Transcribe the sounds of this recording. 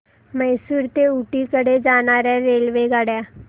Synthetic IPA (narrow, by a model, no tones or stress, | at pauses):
məjsuːɾt̪euʈikəɽed͡zaɽ̃aɾjaɾelʋeɡaɽja